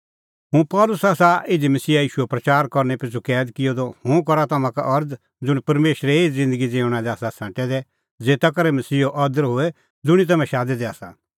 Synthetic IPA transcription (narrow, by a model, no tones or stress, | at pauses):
ɦũpɔːlʊsaːsaɪd͡ʒimɐsiːajiːʃuɛpɾɐt͡ʃaːɾkɔɾnɛpɪt͡ʃʰukɛːd̪kɪjod̪ohʊ̃k̬ɔɾat̪ɐmãka̰ʔɐɾd | d͡zʊɽ̃pɐɾmeːʃɾeeizɪ̃nd̪əɡid͡zeːʊ̃ɽ̃ãd̪ɛaːsasãːʈɛd̪ɛ | d͡zeːt̪ak̬ɐɾɛmɐsiːoʔɐd̪əɾɦoe | d͡zʊɽ̃it̪̬ɐmɛ̃ʃaːd̪ɛd̪ɛaːsã̰